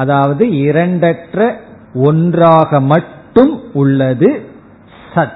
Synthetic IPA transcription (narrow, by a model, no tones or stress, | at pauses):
ɐðaːʋɐðɯɪɾɐɳɖɐʈrɐ | ɔndraːɣɐmɐʈːɯmʊɭːɐðɯ | sɐ